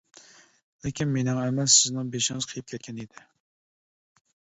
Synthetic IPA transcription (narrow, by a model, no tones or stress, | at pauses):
lɪkʲinmenɪŋɛmɛsɪznɨŋbeʃɪŋɨz̥qʰəjɪp̚kʲʰɛt̪̚kʲʰɛnid̪ɪ